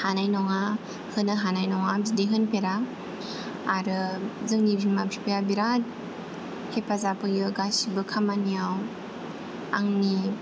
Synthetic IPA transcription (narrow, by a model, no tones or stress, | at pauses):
hanajnɔŋa | hɯnɯɦanajnɔŋabzideɦɯnpeɾa | aɾɯzɯŋnibinmapʰipejabiɾat̚ | kʰepʰazapʰɯjɯɡasibɯkʰamanijaw | a̰ŋni